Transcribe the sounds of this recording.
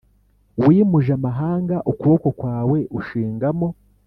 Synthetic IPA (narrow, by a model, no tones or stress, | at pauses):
wimuʒamaɦaːŋɡaʔukuβo̞ko̞kwaːwe̞ʔuʃiːŋɡamo̞